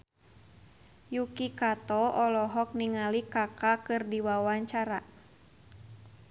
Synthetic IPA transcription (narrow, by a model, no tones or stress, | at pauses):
jukikat̪ɔɔlɔɦɔk̚niŋalikakakɨrdiwawaɲt͡ʃaɾa